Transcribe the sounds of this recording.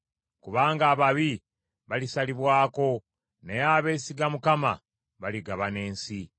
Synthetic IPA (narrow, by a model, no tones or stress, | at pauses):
kuβaːŋɡaːβaβi | βalisaliβwaːko̞ | nejaːβe̞ːsiɡamukama̰ | βaliɡaβane̞ːnsi